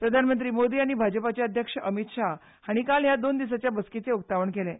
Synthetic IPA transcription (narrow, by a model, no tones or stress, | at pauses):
pɾəd̪ʱanmənt̪ɾiːmod̪iːaɽ̃ibʱad͡ʑəpat͡ɕjaəd̪ʱjəkʂəʔəmit̪ʂa | haɽ̃ikaljad̪ond̪is̬at͡ɕjabəskit͡seuk̚t̪aʋəɳkelẽ